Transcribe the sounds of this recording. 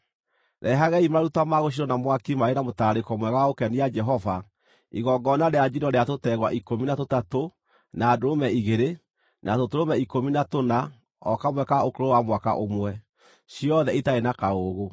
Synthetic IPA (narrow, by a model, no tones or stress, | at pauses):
ɾʔɛɦaɣɛimaɾaɾutamaɣoʃ̬iɾɔnamwakimaenamotaɾekɔmwɛɣawaokɛniad͡ʒɛɦɔva | iɣɔŋɡɔnaɾead͡ʒinɔɾeatotɛɣwa̰ʔikominatotato | naːdoɾomɛiɣeɾe | nʔatotoɾomɛikominatona | ɔkamwɛkaokoɾowamwaka̰ʔomwɛ | ɕijɔðɛitaenakaoɣo